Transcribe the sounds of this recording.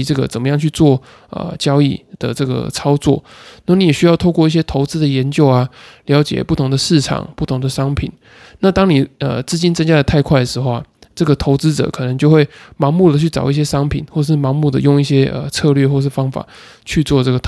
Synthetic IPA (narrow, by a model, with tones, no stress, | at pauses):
ʈ͡ʂɤ˥˩ɡə̰˨˩t͡sə˨˩nmə˦jɑ˥˧ŋt͡ɕʰy˥˧t͡swɔ˥˩ | ə̰˩t͡ɕjɑ˥ʊḭ˥˩d̪̥ə̰˩ʈ͡ʂɤ˥˩ɡə̰˩t͡sʰɑ˥ʊt͡swɔ̰˥˩na˥˩mə˨ni˨˦jɛ˨˩ɕy˥jɑ˥˧ʊt̪ʰʊkwɔ˥˧i˥˩ɕjɛ˥t̪ʰo˧˥ʊt͡sɹ̩˥d̪ə˨jɛ˧˥nt͡ɕjo˥˧ʊa˨ljɑ˧˥ʊt͡ɕjɛ̰˨˩pu˥˩t̪ʰʊ˧˥ŋd̪ə˨ʂɻ̩˥˩ʈ͡ʂʰɑ̰˨˩˦ŋpu˥˩t̪ʰʊ˧˥ŋd̪ə˨ʂɑ˥ŋpʰḭ˨˩˦n | na˥˧˩t̪ɑ˥ŋni˨˩ə̰˨t͡sɹ̩˥˧t͡ɕi˥nt͡sə˥nt͡ɕja˥d̪ə˩t̪ʰa˥˧ɪkʰwa˥˩ɪə˩ʂɻ̩˧˥xo˥˧ʈ͡ʂɤ˥˩ɡə˩t̪ʰo˧˥ʊt͡sɹ̩˥ʈ͡ʂɤ̰˨˩˦kʰɤ˨˩nə˧˦ŋt͡ɕjo˥˧ʊxwe˥˩ɪmɑ˧˥ŋmu˥˩d̪ə˩t͡ɕʰy˥˩t͡sɑ˨˩ʊi˥˩ɕjɛ˥ʂɑ˥ŋpʰḭ˨˩˦nxwɔ˥˩˨ə˩ʂɻ̩˥˩mɑ˧˥ŋmu˥˩d̪ə˩jo˥˧ŋi˥˩ɕjɛ˥ʔə̰˨t͡sʰɤ˥˧lɥɛ˥˧xwɔ˥˧ə˧ʂɻ̩˥˩fɑ˥ŋfa̰˨˩ | t͡ɕʰy˥˧t͡swɔ˥˧ʈ͡ʂɤ˥˩ɡə˩